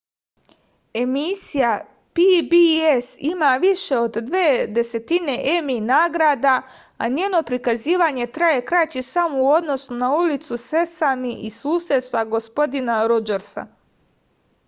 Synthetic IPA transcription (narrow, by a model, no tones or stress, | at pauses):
e̞misija | pibiesimaːʋiʃe̞o̞d̪d̪ʋeːd̪e̞se̞t̪ine̞ʔeminaːɡɾaːd̪a | aɲeːno̞pɾikaziːʋaːɲe̞t̪ɾaje̞kɾat͡ɕisamouo̞d̪no̞sunaulit̪suse̞samiʔisuːsjed̪st̪ʋaɡo̞spo̞d̪inaɾod͡ʒeɾsa̰